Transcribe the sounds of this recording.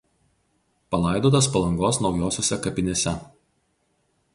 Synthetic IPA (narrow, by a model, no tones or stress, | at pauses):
pɐlˠɐˑɪd̪oːt̪ɐspɐlˠɐŋɡoːsnɒʊjoːsʲoːsʲɛkɐpʲɪnʲeːsʲɛ